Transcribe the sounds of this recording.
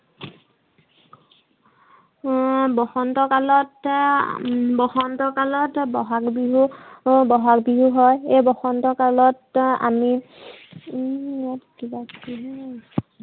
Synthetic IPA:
bɔxɔntɔkalɔt | bɔxɔntɔkalɔtbɔɦakbiɦubɔɦak̚biɦuɦɔjejbɔxɔntɔkalɔta̰mi | akibakiɦɔj

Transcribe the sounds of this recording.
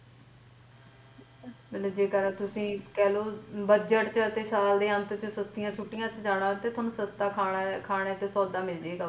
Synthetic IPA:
mɛːt̪ləbd͡ʒeːkəɾət̪ʊsĩːkɛːloːbəd͡ʒəʈt͡ʃət̪eːsaːld̪eːə̃nt̪t͡ʃəsəst̪ɪjãːt͡ʃʰʊʈːɪjãːt͡ʃd͡ʒaːɽ̃ãːt̪eːt̪ʰaːnũːsəst̪aːkʰaːkʰaːɽ̃eːt̪eːsɔːd̪aːmɪld͡ʒeːɡaː

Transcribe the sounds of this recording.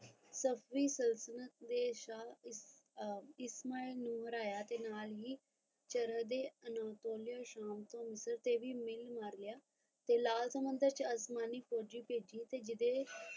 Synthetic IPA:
səpʰʋiːsəlsənət̪̚d̪eːʃa | ɪsmaːilnũːɦəɾaːjaːt̪eːnaːlɦiː | t͡ʃəɾəd̪eːənaːt̪oːlijaːʃaːmt̪õːmɪsəɾt̪eːʋiːmɪlmaɾlɪjaː | t̪eːlaːlsəmənd̪əɾt͡ʃəsmaːniːpʰoːd͡ʒiːpeːd͡ʒiːt̪eːd͡ʒɪd̪eː

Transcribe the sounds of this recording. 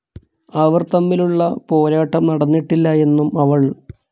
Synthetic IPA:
ɐʋɐrt̪ɐmːiluɭːɐpo̞ːɾaːʈːɐmnɐɽɐnːiʈːilːɐe̞nːumɐʋɐɭ

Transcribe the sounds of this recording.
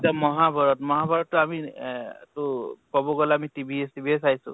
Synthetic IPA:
tamɔɦabɔɹɔtmɔɦabɔɹɔtːʊamitʊkɔboɡɔlamitibʱiestibʱiesajsʊ̰̃

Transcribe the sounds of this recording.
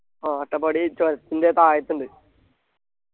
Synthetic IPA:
aːʈːɐpɐɽit͡ɕoɾɐt̪ːindet̪aːjɐt̪ːuɳɖɨ

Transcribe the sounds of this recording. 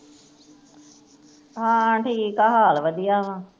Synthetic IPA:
ɦãːãʈʰikaɦaːlʋəd̪ijaːʋãː

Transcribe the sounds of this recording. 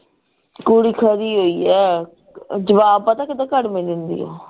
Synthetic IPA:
kuɽiːkʰəd̪iːɦoːiːɛː | d͡ʒəʋaːbaːt̪ãːkɪd̪ãːkəɽmẽːd̪ɪnd̪ḭːɛ̰ː

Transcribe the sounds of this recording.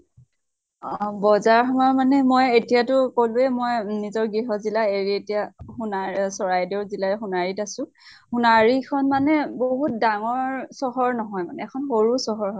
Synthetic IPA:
ɔbɔzaɹxɔmamanɛmojetijatʊkoluɛmɔjnizɔɹɡɹiɦɔzilaeɹietijahunasɔɹajdɔɹzilaxunaɹitasʊ̃ | hunaɹikʰɔnmanɛboɦut̚daŋɔɹsɔɦɔɹnɔɦɔjmanɛːkʰɔnxoɹusɔɦɔɹɦɔ

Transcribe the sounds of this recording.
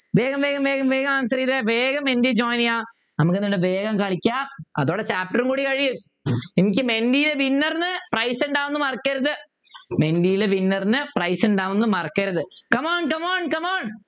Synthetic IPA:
ʋeːɣɐmʋeːɣɐmʋe̞ːɣɐmʋeːɣɐmaːnsɐɾiːðeʋeːɣɐmːendid͡ʑoːjnijaːnɐmukːenːiɽɨʋeːɣɐmkɐɭikʲːaːmɐ̰ðo̞ːɽet͡ɕaːp̚ʈɐrɨmkuːɽikɐɻijum | enikʲːɨme̞nɖijileʋinːɐrnɨprɐjseɳɖaːʋunːɨmɐrɐkːɐɾɐðɨ | me̞nɖijileʋinːɐrnɨprɐjseɳɖaːʋunːɨmɐrɐkːɐɾɐðɨkɐmaːɳkɐmaːɳkɐmaːn

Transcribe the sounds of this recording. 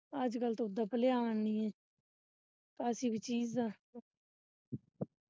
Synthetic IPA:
əd͡ʒkəlt̪oʊd̪aːpəleːaːʋaniːẽː | taːsiːbit͡ʃiːzãː

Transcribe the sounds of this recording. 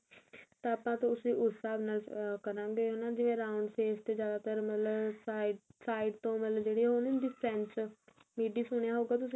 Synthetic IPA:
t̪ãːapãːt̪õːʊsĩːʔʊsaːbnaːlkəɾãːɡeːɦoːnaːd͡ʒɪʋẽːɾaːʊɳɖseːst̪eːd͡ʒjaːd̪aːt̪əɾmət̪ləb | saːɪɖt̪õːmət̪ləbd͡ʒeːɽiːɦonnd̪iːpʰɾɛ̃ːnt͡ʃmiːɖiːsʊɳjaːɦoːɡaːt̪ʊsĩ

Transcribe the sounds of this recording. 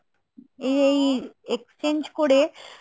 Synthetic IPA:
eejekst͡ɕend͡ʑkoɾe

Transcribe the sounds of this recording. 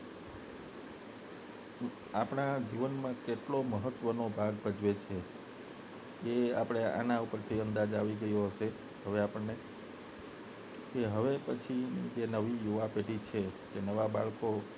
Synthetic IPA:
apɽ̃ad͡ʒiʋənmãkeʈloməɦət̪ːʋənobʱaɡbʱəd͡ʒʋet͡ʃʰe | eapɽ̃ea̰nãupəɾt̪ʰiənd̪ad͡ʒaʋiɡəjoɦəʃe | ɦəʋeapəɳne | keɦəʋepət͡ʃʰinḭd͡ʒenəʋijuʋapeʈit͡ʃʰekenəʋaba̰ɭko

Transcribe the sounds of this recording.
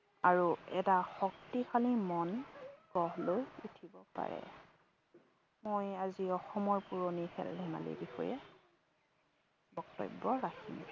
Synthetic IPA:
aɹuɛtaxɔktixʰalimɔnɡ̥ɔɦlojutʰibɔpa̰ɹɛ̰ | mojaziɔxɔmɔɹpuɹonixɛ̰ldʱɛma̰lḛbixɔ̰jɛ | bɔk̚tɔ̰bːɔɹakʰḭm

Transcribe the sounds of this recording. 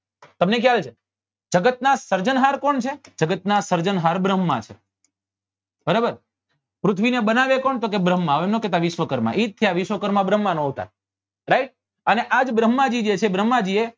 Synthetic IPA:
t̪əmnek̬jalt͡ʃʰe | d͡ʒəɡət̪̚nasəɾd͡ʒənɦaɾkoɳt͡ʃʰed͡ʒəɡət̪nasəɾd͡ʒənɦaɾbɾəmːã̰t͡ʃʰḛ | bəɾobəɾ | pɾʊt̪ʰʋinebənaʋekoɳt̪ok̬ebɾəmːãoemnokɛt̪aʋiʃʋəkəɾmã̰ʔitt̪ʰːijaʋiʃʋəkəɾmãbɾəmːanõɦut̪a̰ | ɾaiʈ̚ | əneʔad͡ʒbɾəmːad͡ʒid͡ʒet͡ʃʰebɾəmːad͡ʒie

